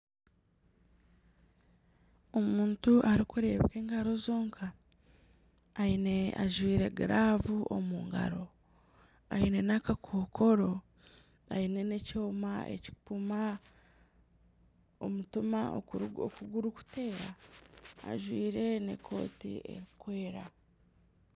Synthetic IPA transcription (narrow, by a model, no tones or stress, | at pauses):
o̞muːntuʔaɾikuɾe̞βke̞ːŋɡaɾo̞zoːŋkʰa | ine̞a̰ʒwiːɾe̞ɡiɾʔaːvuʔo̰muːŋɡa̰ɾo̞ | aine̞nakakʰoːkʰo̞ɾo̞ | a̰ine̞ne̞co̞ːmaḛci̥puma | o̰mutumao̰kuɡuɾuku̥te̞ːɾa̰ː | ʒwiːɾe̞ne̞̰kʰo̞̰ːtḭe̞̰ɾikwe̞ːɾa